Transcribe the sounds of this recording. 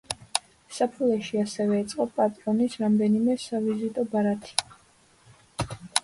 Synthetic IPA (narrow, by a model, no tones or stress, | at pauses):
sapʰulˠɛʃiasɛvɛːt̪sʼqʼɔpʼat̪ʼɾɔnisɾamd̪ɛnimɛsavizit̪ʼɔbaɾat̪ʰi̥